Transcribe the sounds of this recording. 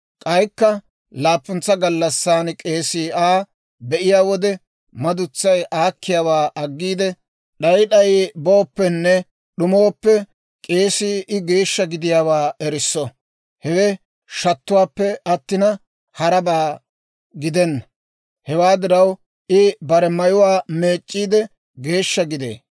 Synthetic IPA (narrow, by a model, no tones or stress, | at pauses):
kʼɐjkːɐ | laːpːʊnt͡sːɐɡɐlːɐsːaːnkʼe̞ːsiːaː | bɛʔɪjaːwɔd̪ɛ | mɐd̪ʊt͡sːɐjʔaːkʰːɪjaːwaːʔɐɡːiːd̪ɛ | ɗɐjɗɐjboːpːɛnːɛ | ɗʊmoːpːɛ | kʼe̞ːsiːʔɪɡe̞ːʃːɐɡɪd̪ɪjaːwaːɛɾɪsːɔ | hɛwɛ | ʃɐt̪ːʊwaːpːɛɐt̪ːɪnɐ | hɐɾɐbaː | ɡɪd̪ɛnːɐ | hɛwaːd̪ɪɾɐw | ʔɪbɐɾɛmɐjʊwaːme̞ːt͡ʃʼːiːd̪ɛ | ɡe̞ːʃːɐɡɪd̪ḛː